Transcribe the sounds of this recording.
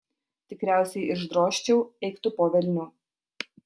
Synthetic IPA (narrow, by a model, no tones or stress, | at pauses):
t̪ʲɪkɾʲæˑʊsʲɛɪʔɪʒd̪ɾoːʃʲt͡ʃʲɛʊɛɪkt̪ʊpoːʋʲɛlʲnʲʊ